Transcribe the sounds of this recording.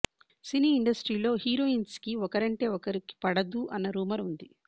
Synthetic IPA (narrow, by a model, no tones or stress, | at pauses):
siniːɳɖɐsʈɾiːlo̞ːhiːɾo̞ːiːnskiɔkɐɾɐɳʈe̞ːɔkɐɾiki̥pɐɽɐd̪uʔɐnːɐɾuːmɐɾund̪i